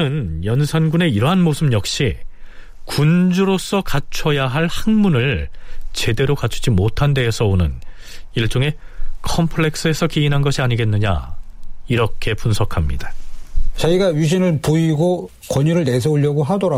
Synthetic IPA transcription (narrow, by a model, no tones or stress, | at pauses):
ɯnjʌnsʰanɡune̞iɾʌɦanmosʰɯmjʌk̚ɕ͈i | kund͡ʑuɾos͈ʌkat͡ɕʰʌjaɦaɭhaŋmunɯɭt͡ɕe̞de̞ɾokat͡ɕʰu̥d͡ʑimotʰande̞ːsʰʌonɯn | iɭt͡ɕ͈oŋe̞kʰʌmpʰɯɭe̞k̚s͈ɯe̞sʰʌkiinɦanɡʌɕʰiaɲiɡe̞nːɯɲa̰ | iɾʌkʰe̞punsʰʌkʰamɲḭdat͡ɕaiɡaɥiɕ̬ʰinɯɭpoiɡo | kwʌɲuɾɯɭnes̬ʰʌuʎːʌɡoɦadoɾa